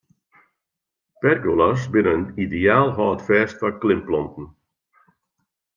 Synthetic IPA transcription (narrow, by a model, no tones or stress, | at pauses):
pɛrɡulas̬bɪnəənideaːlˠɦɔːtfɛːstfaklɪmplɔntən̩